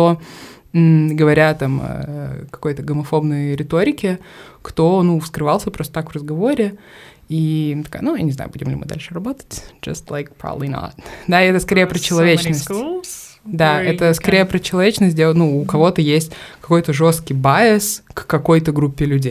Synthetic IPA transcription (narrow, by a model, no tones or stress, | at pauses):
t̪o | ɡəvɐɾʲat̪amɐ̰kɐ̥ko̞jt̪əɡəmɐfo̞bnəjɾʲɪt̪o̞ɾʲɪkʲɪkt̪o̞nufskɾɨvalˠsʲəpɾost̪ət̪akvrəzɡɐvo̞ɾʲɪ | it̪ɐka̰jnuja̰nʲɪzna̰ʊ̰budʲɪmlʲɪ̰mɨ̰d̪a̰lʲʂɨrɐbo̞t̪ə̥t̚ʲd͡ʒɐ̰st̪lˠajk̚pɾɔ̰bəblino̰t̪d̪aɪɛt̪əskɐɾʲejəpɾət͡ɕɪlˠɐvʲet͡ɕnnəsʲt | d̪aɛt̪əskɐɾʲejəpɾət͡ɕɪlˠɐvʲet͡ɕnəst̚ʲdʲenuːkɐvo̞t̪əjesʲtʲkɐ̥ko̞jt̪əʐo̞st̪kʲɪjbaɪskːɐko̞jt̪əɡɾupʲːɪlʲʉdʲej